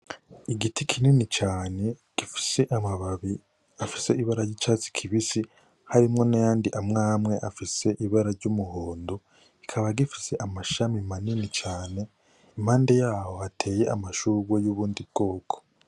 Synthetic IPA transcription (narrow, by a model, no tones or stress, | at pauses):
iɡitikʰininit͡ʃaːne̞ | ɡ̥ifi̥se̞ʔamaβaβi | afi̥se̞iβaɾaɾɟit͡ʃaːt͡si̥kʰiβisi | haɾimŋo̞najaːndiʔamŋaːmŋe̞ʔafise̞ʔiβaɾaɾɟumuhoːndo | ikʰaβaɡifi̥se̞ʔamaʃamimaninit͡ʃaːne̞ | imhaːnde̞jaːho̞hatʰe̞ːje̞ʔa̰maʃuːɡojuβuːndib̚ɡo̞ːkʰo̥